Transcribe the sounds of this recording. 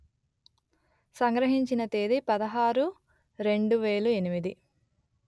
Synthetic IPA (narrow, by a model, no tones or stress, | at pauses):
sɐŋɡɾɐɦiɲt͡ʃinɐt̪eːd̪ipɐd̪ɐɦaːɾu | ɾe̞ɳɖuʋe̞ːlue̞nimid̪i